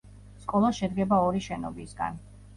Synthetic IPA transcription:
skʼɔlˠaʃɛd̪ɡɛbaɔɾiʃɛnɔ̰bisɡa̰n

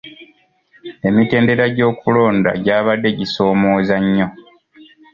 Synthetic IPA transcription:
e̞mite̞ːnde̞ɾaɟo̞ːkulo̞ːnda̰ɟaːβadːe̞ɟiso̞ːmo̞ːzaɲːo̞

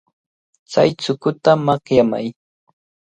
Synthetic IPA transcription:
t͡sa̰jt͡sʊkʊt̪amɑχjama̰j

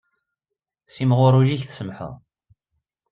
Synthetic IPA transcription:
simʁʊɾˤuliçθsəmħə̰ðˤ

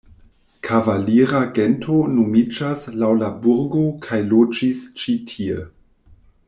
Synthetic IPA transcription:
kʰavaliɾaɡentʰonomid͡ʒaslawlabuɾɡokʰajlod͡ʒist͡ʃitʰiḛ

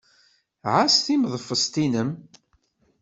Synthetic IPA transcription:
ʕasθimðˤfəst̪inəm

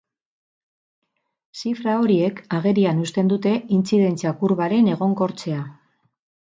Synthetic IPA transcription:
sifɾao̞ɾie̞kaɣe̞ɾianust̪e̞nd̪ut̪e̞int͡siðe̞nt͡siakuɾβaɾe̞ne̞ɣ̞o̞ŋko̞ɾt͡se̞a

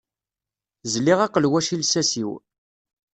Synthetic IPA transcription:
zliʁɑqːəlwæʃilsæsiw

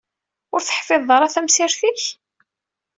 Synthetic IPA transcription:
ʊɾθə̥ħfɪðˤəɾˤæθæmsɪɾθiç

